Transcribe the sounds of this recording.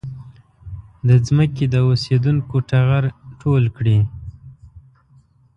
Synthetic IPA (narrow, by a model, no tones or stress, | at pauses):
d̪əzməked̪əosed̪unkoʈaɣaɾʈʰolkɽi